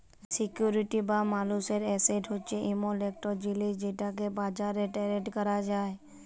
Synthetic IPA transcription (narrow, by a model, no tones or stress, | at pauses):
sikjuɾiʈibamaluseɾɛseʈʰɦot͡ʃeʔimolek̚ʈod͡ʒilid͡ʒeʈak̬ebad͡ʒaɾeʈɛɾeʈkəɾad͡ʒaːe